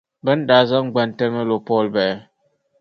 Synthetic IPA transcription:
bɛ˦n̩˦da˨˦za˦ŋ˦ɡ͡ba˨n˨tɛ˦mə˦lo˨pɔ˦˨lbɛ˨˦

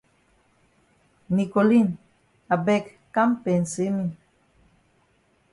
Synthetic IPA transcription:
ni˨ko˨li˦n | a˨bɛ˦˨kːa˦mpe˨nsi˦mi˦˨

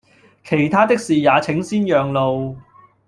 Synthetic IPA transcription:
kʰe˨˩jt̪ʰaː˥t̪ɪ˥k̚siː˨jaː˨˧t͡sʰɪ˨˥ŋsiː˥njœː˨˧ŋlo˨w

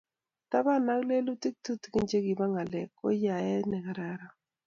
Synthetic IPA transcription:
ta˦ba˦na˦kle˦lu˦ti˦k̚tu˦tki˦nd͡ʒe˦ɡi˨ba˦ŋa˨lɛ̰˨kːɔ̰˦ja˨jɛ˦nɛ˨ka˨ɾa˦ɾa˦

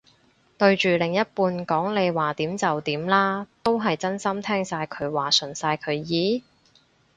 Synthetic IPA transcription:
t̪ɵ˧ɥt͡ʃyː˨˩lɪ˨˩ŋjɐ˥t̚puː˧nkɔː˨˥ŋle˨˧jwaː˨t̪iː˨˥mt͡sɐ˨wt̪iː˨˥mlaː˥t̪o˥wɦɐ˨jt͡sɐ˥nsɐ˥mt̪ʰɛː˥ŋsaː˧jkʰɵ˨˧ɥwaː˨˩sɵ˨˩nsaː˧jkʰɵ˨˧ɥjiː˨˥

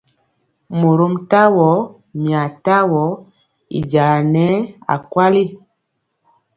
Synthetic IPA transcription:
mo˨ɾo˦mta˦wɔ˨˦ | mja˨ta˦wɔ˨˦ | ḭ˨d͡ʒa˨la˨nɛ˦a̰˨kwa˦li˦

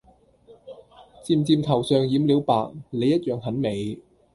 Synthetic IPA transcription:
t͡siː˧mt͡siː˧mt̪ʰɐ˨˩wsœː˨˧ŋjiː˨˥mliː˨˥wpaː˨k̚le˨˧jːɐ˥t̚jœː˨ŋɦɐ˨˥nme˨˧j

